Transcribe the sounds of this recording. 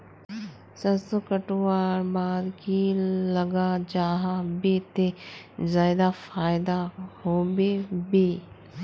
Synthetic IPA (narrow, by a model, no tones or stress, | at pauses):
sɐsokəʈʋaːɾbaːd̪kilɐɡad͡ʒaːɦabet̪e | zaːd̪afaːɪd̪ahoːbebi